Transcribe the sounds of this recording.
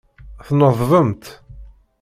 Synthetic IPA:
θnəðˤːəmt̪

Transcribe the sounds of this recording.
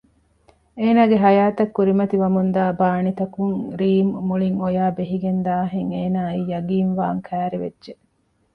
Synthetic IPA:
eːnaːɡeɦɐjaːt̪ɐkːuɾimɐt̪iʋɐmund̪aːbaːnit̪ɐkuŋɾiːmːuɭiŋojaːbeɦiɡend̪aːɦeŋeːnaːiːjɐɡiːnʋaːŋkʰæːɾeʋḛdʒe

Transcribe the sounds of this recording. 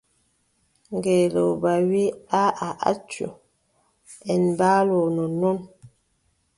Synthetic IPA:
ŋɡelo̰bawiaaʔa̰tɥṵ | ɛnbalonɔnɔn

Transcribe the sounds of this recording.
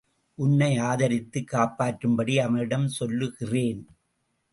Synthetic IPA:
ʔʊnːɐɪaːðɐɾɪt̪ːɯkːaːpaːʈɾɯmbɐɽiɐʋɐɪɽɐmsɔlːɯɣɪreːn

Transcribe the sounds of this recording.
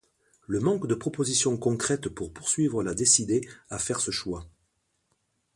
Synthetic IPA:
ləmɑ̃kd̪əpχɔpozisjɔ̃kɔ̃kχɛt̪puʁpuʁsɥivʁəlad̪esid̪eafɛʁsəʃwa

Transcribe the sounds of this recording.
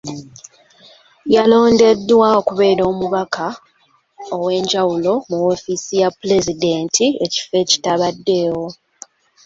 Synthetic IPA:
jalo̞ːnde̞dːwaokuβe̞ːɾo̞ːmuβakʰa | owe̞ːɲɟawulo̞muwo̞ːfiːsijapule̞zide̞ːntʰie̞ci̥fe̞ːci̥taβadːe̞ːwo̞

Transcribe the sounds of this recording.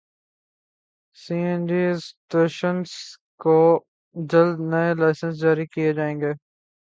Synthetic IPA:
siːẽnɖiːsʈeːʃəns | ko | d͡ʒɐld̪nɐelaːɪsə̃ns̬d͡ʒaːɾikijed͡ʒaːẽːŋɡeː

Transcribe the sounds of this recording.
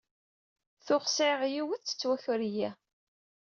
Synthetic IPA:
θʊχsʕʁjiwəθt͡sːə̥t͡sːwæçʊɾijæ

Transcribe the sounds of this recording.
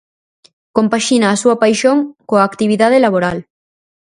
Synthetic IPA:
kompaʃinaːsuapajʃoŋkoaːkt̪iβiðað̞elaβ̞oɾal

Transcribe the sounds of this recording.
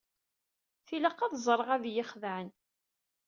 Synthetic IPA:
θiləqːɑðzˤɾˤəʁæðjɪχðəʕən

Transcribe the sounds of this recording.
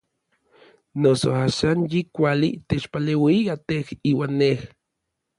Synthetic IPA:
noso̰aːʃanjikʷalḭt̪et͡ʃpaleːwiat̪ehiːwaːnːeh

